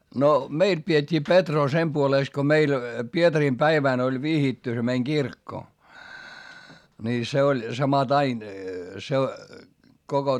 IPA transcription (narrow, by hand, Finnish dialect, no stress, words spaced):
no meil pietʲːiː petroː sem puoleˑs ko meil pietɑrim pæiʋæˑn olʲ ʋihitːy se meiŋ ɡ̊irkːo nʲi se olʲ sɑmɑtɑin koko